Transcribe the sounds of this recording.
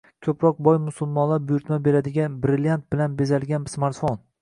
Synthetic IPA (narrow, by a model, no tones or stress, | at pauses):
kʲʰɵpʰɾɒq̚bɒjmʊsʊlˠmɒnlaɾbʊjʊɾt̪mabe̞ɾad̪ɪɡʲanbɾɪljant̪̚bɪlanbe̞zalɡʲansmaɾt̪fon